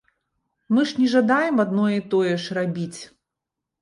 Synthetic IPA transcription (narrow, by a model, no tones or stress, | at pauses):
mɨʂnʲɛʐad̪ajɛmad̪nɔjɛit̪ɔjɛʂrabʲit͡sʲ